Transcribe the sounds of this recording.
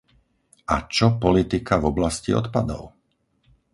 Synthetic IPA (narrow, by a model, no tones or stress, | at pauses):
at͡ʃɔpɔlit̪ikavɔblascḭɔ̰t̪pad̪ɔ̰ʊ